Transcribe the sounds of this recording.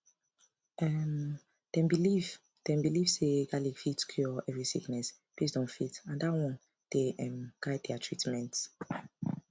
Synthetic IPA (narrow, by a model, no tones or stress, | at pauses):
ɛm | d̥ɛ̃mbiliv | d̥ɛ̃mbilivseɡaliɡfitkʰjɔɛvɹisḭknɛs | b̥esdɔ̃nfitãndatwɔ̃n | d̥eɛ̃mɡ̥ajdɛatʰɹitmɛ̃nt